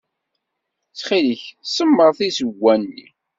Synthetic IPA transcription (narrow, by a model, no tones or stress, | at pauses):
t͡sːχiləçsəmːəɾˤθisəɡːænːḭ